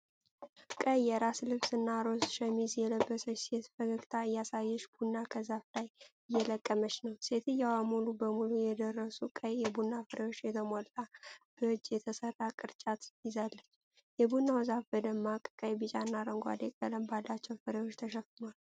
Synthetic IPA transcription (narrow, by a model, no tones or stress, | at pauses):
kʼəjːɛɾaslɨβsɨnːaɾo̞sʃɛmizjɛləbːəsət͡ʃːse̞t̪fəɡəɡt̪ʰaɨjːasajːɛʃb̥unːakʰəzaflajɨjːɛləkʼːəməʃnəwse̞t̪ʰɨjːawamulubəmulujɛd̪ərːəsukʼəjjɛbunːafɨɾʔejo̞t͡ʃːjɛt̪ʰəmolt̪ʼab̥əd͡ʒːjɛt̪ʰəsərːakʼɨɾt͡ʃʼat̪ɪzalːət͡ʃː | jɛbunːawzafbəd̪əmːakʼɨkʼəjbɨt͡ʃʼanːaɾəŋɡʷa̰d̪ekʼələmbalːat͡ʃːɛwfɨɾewot͡ʃːt̪ʰəʃɛfɨnwal